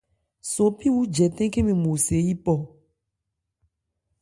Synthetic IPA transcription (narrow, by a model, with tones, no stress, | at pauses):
so˨pi˦wu˦d͡ʒɛ˨t̪ẽ˦ke˦mĩ˨mõ˨se˨˦ji˦pɔ˦˨